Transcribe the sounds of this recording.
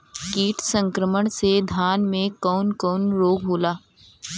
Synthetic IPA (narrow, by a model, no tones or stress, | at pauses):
kiːʈʰsə̃ŋkɾəməɳ̃sed̪ʱaːnmẽkɔːnkɔːnɾoːɡɦoːlaː